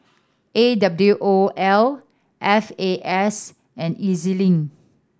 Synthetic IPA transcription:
ʔedabluʔoʔɛl | ʔɛfeʔɛs | ɛ̃nizilĩŋ

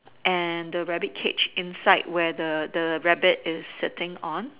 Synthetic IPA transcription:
ʔɛ̃ndəɹɛbɪt̚kʰet͡ʃɪ̃nsaɪt̚wɛdədəɹɛbɪtɪsːɪtɪ̃ŋɔ̃n

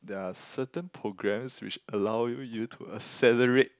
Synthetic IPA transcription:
dɛasətə̃npʰɹoɡɹɛ̃mswɪt͡ʃəlawjujutʰuəsɛləɹet̚

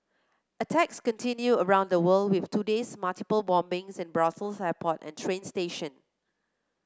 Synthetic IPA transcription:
ʔətʰɛkskɔ̃ntʰĩnjuəɹãʊ̃ndəwəldwɪftʰudesmaltipəlbɔ̃mbɪ̃ŋsɪ̃nbɹasəlsɛpʰɔtɛ̰̃ntʰɹẽnsteʃə̃n

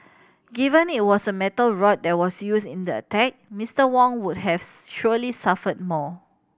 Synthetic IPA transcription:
ɡivə̃nit̚wɔsəmɛtəlɹɔt̚dɛt̚wɔsjusĩndəə̰tɛk̚mistəwɔ̃ŋwud̚ɦɛvʃulisafət̚mɔ

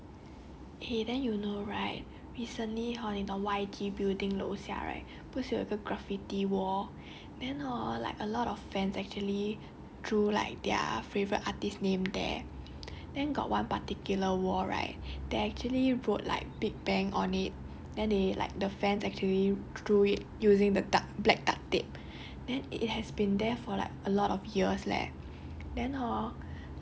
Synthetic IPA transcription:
ʔedɛ̃njunoɹaɪt̚ | ɹisə̃nliɦanĩnɔ̃waɪd͡ʒibildĩŋlo̰sia̰ɹa̰ɪt̚ | putsuḭkəɡɹafitiwɔ | dɛ̃nɔla̰ɪkəlɔtɔffɛ̃nsɛk̚t͡ʃuəli | dɹula̰ɪk̚d̥ɛə̰fevəɹətʔatisnẽmdɛ̰ | d̥ɛ̃nɡɔ̰ʔ̚wãnpatikjuləwɔɹa̰ɪt̚d̥eɛk̚t͡ʃuəliɹot̚la̰ɪk̚biɡ̚bɛ̃ŋɔ̃nit̚ | d̥ɛ̃ndela̰ɪk̚dəfɛ̃nsɛk̚t͡ʃuəlid̥ɹuit̚juzĩŋdədablɛk̚d̥a̰k̚tep̚ | dɛ̃nḭt̚hɛsbĩndɛfɔla̰ɪkəlɔtɔfjiəslɛ̰ | dɛ̃nɔ

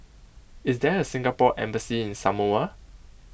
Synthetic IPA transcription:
ɪsdɛəsɪ̃ŋɡapɔʔɛ̰̃mbəsiɪ̃nsamoə

